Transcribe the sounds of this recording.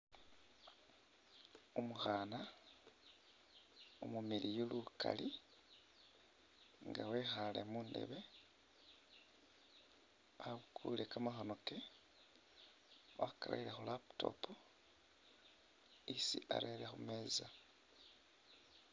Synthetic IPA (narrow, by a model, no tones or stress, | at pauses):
omuxaːna | omumilijoluka̰li | ŋɡawexale̞̰muːndḛβe̞ | aukʰulekamaxono̞ke | akala̰ilexulaptʰo̞̰pu | isḭa̰ɾelexume̞ːza